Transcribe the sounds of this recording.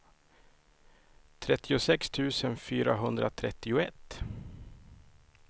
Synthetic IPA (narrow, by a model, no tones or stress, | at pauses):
t̪ʰɾɛt̪ːɪʊsɛkst̪ʰʉ̟ːsənfyːɾaɦɵnd̪ɾat̪ʰɾɛt̪ːɪʊɛt̪ː